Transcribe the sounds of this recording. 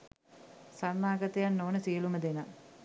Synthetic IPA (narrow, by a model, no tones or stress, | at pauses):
sanːaːɡət̪əjanːoːnəsijəluməd̪ena